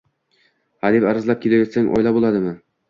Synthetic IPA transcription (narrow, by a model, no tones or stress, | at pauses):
had̪ipaɾazlˠap̚kʲʰelajɒt̪saŋʔɒ̰jlˠabolˠad̪ɪmɪ